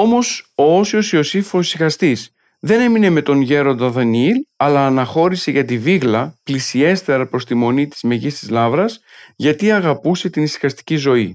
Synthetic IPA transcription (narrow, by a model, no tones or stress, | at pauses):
o̞mo̞soosio̞siosifoisixɐst̪is | ðe̞ne̞mine̞me̞t̪o̞nʝe̞ɾo̞nd̪ɐðɐniilɐlɐːnɐxo̞ɾise̞ʝɐt̪iviɣlɐplisie̞st̪e̞ɾɐpɾo̞st̪imo̞nit̪i̥zme̞ʝist̪izlɐvɾɐs | ʝɐt̪iɐɣɐpuse̞t̪inisi̥xɐst̪i̥cizo̞i